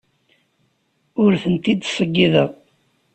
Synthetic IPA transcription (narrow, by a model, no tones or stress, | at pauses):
ʊɾθənt̪id̪səɡːiðəʁ